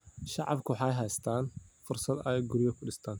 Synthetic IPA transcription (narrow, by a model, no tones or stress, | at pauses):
ʃɑʕɑ̰bkʰʊwħɑjɦɛjst̪ʰaːnfʊrsɐd̪ɛɡʊɾɪjɔkʰʊɖɪst̪ʰaːn